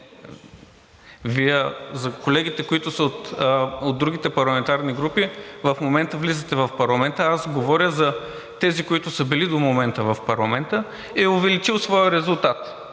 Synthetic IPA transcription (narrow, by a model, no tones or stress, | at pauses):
viəzɐkolɛɡit̪ɛkoit̪ʊsəot̪od̪ɾuɡit̪ɛpɐɾlˠɐmɛnt̪aɾniɡɾupivɐfmomɛnt̪əvlizət̪ɛvɐfpɐɾlˠɐmɛnt̪əasɡovɔɾʲəzɐ | t̪ɛzikoit̪ʊsəbɛlid̪omomɛnt̪əvɐfpɐɾlˠɐmɛnt̪ə | ɛʊvɛlit͡ʃilˠsvɔjəɾɛzulˠt̪at̪